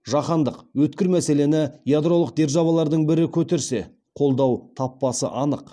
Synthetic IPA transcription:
ʒɑχɑnd̪əqwɵt̪kʲɪɾmæse̞le̞nɪjad̪ɾolˠəq̚d̪e̞ɾʒɑβɑlˠɑɾd̪əɴbɪɾɪkʲʰɵt̪e̞ɾse̞ | qʰo̞lˠd̪ɑwt̪ʰɑpːɑsə̰ʔɑnəq

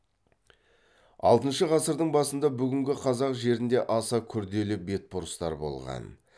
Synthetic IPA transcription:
ɑ̰lˠt̪ənʃəʁɑsəɾd̪əɴbɑsənd̪ɑbʏɡʲɪŋɡʲɪqʰɑzɑqʒe̞ɾɪnd̪e̞ʔɑsɑkʲʰʏɾd̪e̞lɪbe̞t̪̚bʊɾəst̪ɑ̰ɾbo̞̰lˠʁɑ̰n

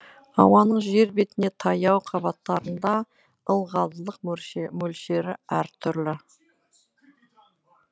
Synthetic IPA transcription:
ɑ̰wɑnəɴʒe̞ɾbet̪ɪne̞t̪ʰɑjɑwqʰɑbɑt̪ːɑɾənd̪ɑ | əlˠʁɑzlˠəq̚mɵlʃe̞ɾɪæɾt̪ʰʏɾlɪ

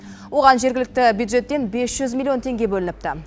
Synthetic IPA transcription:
wo̞ʁɑnʒe̞ɾɡʲɪlɪk̚t̪ɪbjud̪ʒe̞t̪ːe̞nbe̞sʒ̥ʏzmʲilʲˠio̞nt̪ʰe̞ŋɡʲe̞bɵlɪnɪp̚t̪ɪ

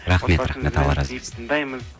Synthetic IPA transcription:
ɾaχme̞t̪ɾaχme̞t̪ɑlˠɑɾɑ̰z

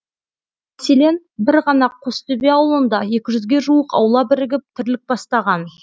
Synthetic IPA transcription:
mæse̞le̞n | bɪɾʁɑnɑqʰost̪ʏbeɑwlˠənd̪ɑje̞kʲɪʒʏzɡʲe̞ʒuəqɑ̰wlˠɑbɪɾɪɡʲɪp̚t̪ʰɪɾlɪk̚bɑst̪ɑʁɑn

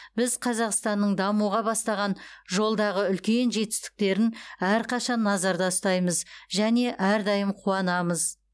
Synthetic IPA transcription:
bɪzqʰɑzɑqst̪ɑnːəɴd̪ɑmuʁɑbɑst̪ɑʁɑnʒo̞lˠd̪ɑʁəʏlkʲe̞nʒe̞t̪ɪ̥st̪ɪ̥k̚t̪e̞ɾɪnæɾqʰɑʃɑnːɑzɑɾd̪ɑst̪ɑjməzʒæne̞ʔæɾd̪ɑjəmqʰuɑnɑməz

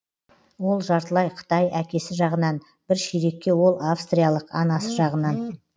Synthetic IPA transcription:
wo̞lˠʒɑɾt̪əlˠɑjqʰə̥t̪ɑjækʲe̞sɪʒɑʁənɑn | bɪɾʃijɾe̞kʲːe̞wo̞lˠafst̪ɾijalˠəqɑnɑsəʒɑʁənɑn

